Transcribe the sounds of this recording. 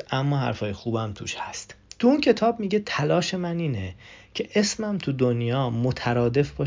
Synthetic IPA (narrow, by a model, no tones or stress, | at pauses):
ʔæmːɒːɦæ̰ɾfɒːjexuːbæmt̪ʰṵːʃhæst̪t̪ʰuuncʰe̞t̪ʰɒːbmiːɟe̞t̪ʰælɒːʃe̞mæniːnecʰe̞ʔe̞smæmt̪ʰud̪onjɒːmot̪ʰæɾɒːd̪e̞fb̥ɒː